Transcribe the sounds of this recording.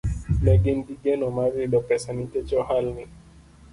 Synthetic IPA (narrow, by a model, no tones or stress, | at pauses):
mɛɡɛndiɡɛnɔmaɾiɗɔpɛsanitɛt͡ʃɔhalni